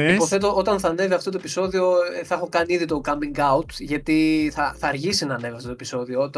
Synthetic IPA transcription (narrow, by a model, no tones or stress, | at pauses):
ipo̞θe̞t̪oʔot̪ɐnθɐne̞viɐft̪ot̪oepiso̞ðio̞θɐɐxo̞kɐniiðit̪o̞kɐmiŋɡɐut̪ʝɐt̪iθɐθɐːɾʝisinɐːne̞viɐft̪o̞t̪oepi̥so̞ðioot̪